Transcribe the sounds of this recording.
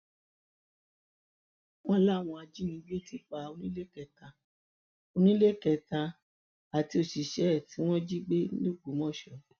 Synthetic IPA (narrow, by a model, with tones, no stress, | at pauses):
w̃ɔ̃˦la˦˨w̃ɔ̃˧a˧d͡ʒi˦nĩ˧˦ɡ͡be˦˨ti˨˧˦k͡pa˧o˧nĩ˦le˦kɛ˧˨ta˧ | o˧nĩ˦le˦˨kɛ˧ta˧ | a˨ti˧o˧ʃi˨ʃɛ˨˦˨ti˨˦w̃ɔ̃˦d͡ʒi˦ɡ͡be˦lo˦ɡ͡bu˨˦mɔ̃˦˨ʃɔ˨